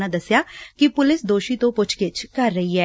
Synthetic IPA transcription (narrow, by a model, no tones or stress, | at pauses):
nãd̪əsːjaːkipʊlɪsd̪oːʃit̪õːpʊt͡ʃʰkɪt͡ʃkɐɾːəɦiɦɛː